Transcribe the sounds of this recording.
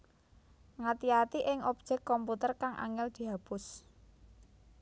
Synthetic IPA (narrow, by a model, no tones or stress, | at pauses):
ŋat̪iat̪iʔɪŋɔp̚d̥ʒ̥ɛkːɔmput̪ərkaŋʔa̰ŋɪld̪̥i̤ɦab̥ʊs